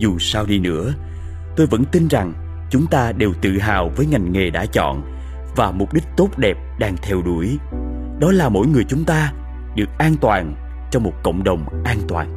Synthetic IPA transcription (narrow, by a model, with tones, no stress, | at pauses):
zu˨˩saː˧wɗi˧nɨ̰˧˥ə | t̪o˧jvə̰˧˥nt̪i˧nza˨˩ŋ | t͡ɕʊ˨˦ŋ͡mt̪aː˧ɗe˨˩wt̪ɨ̰˧˨ɦaː˨˩wvəː˨˦jŋa˨˩jŋ̟ŋe˨˩ɗa̰ː˧˥t͡ɕɔ̰˧˨n | vaː˨˩mʊ˨˩k͡p̚ɗï˦˥k̟̚t̪o˦˥t̚ɗɛ˨˩p̚ɗaː˧ŋt̪ʰɛ˧˩wɗu˧˩əj | ɗɔ˨˦laː˨˩mo̰˧˥jŋɨ˨˩əjt͡ɕʊ˨˦ŋ͡mt̪aː˧ | ɗɨ˨˩ək̚ʔaː˧nt̪waː˨˩n | t͡ɕɔ˧wŋ͡mmo˨˩t̚kə̰˧˨wŋ͡mɗə˨˩wŋ͡mʔaː˧nt̪waː˨˩n